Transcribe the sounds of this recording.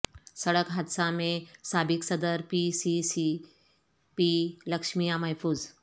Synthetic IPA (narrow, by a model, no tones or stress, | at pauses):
sɐɽəkɦad̪samẽsaːbɪksɐd̪əɾpisisi | pilɐkʃmijamɐɦpʰuːz